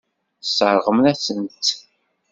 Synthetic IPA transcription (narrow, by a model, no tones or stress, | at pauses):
sːəɾˤʁəmnæsənt̪